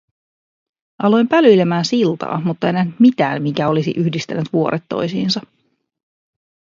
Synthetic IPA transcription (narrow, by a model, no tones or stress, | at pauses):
ʔɑlo̞jmpælyjlemæːnsilt̪ɑ̰ːmut̪ːɑejnæhnyt̪mit̪æ̰ːmmikæo̞lisḭʔyçdist̪æ̰nːyt̪ʋuo̞ɾʔet̪ːo̞̰jsiːnsɑ